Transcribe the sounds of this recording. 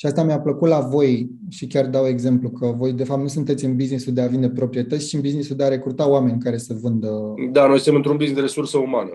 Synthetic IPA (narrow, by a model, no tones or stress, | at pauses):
ʃiast̪amiapləkut̪lavo̞j | ʃikʲard̪awe̞ɡze̞mplukʰəvo̞jd̪e̞fap̚t̪nusunt̪e̞t̪sʲɨnbiznisuld̪eavind̪e̞pɾo̞pɾije̞t̪ət̪sʲt͡ʃiɨnbiznisud̪eaɾe̞kɾut̪aoame̞nʲkaɾe̞səvɨnd̪əd̪anojsɨt̪emɨnt̪ɾunbiznizd̪eɾesursəumanə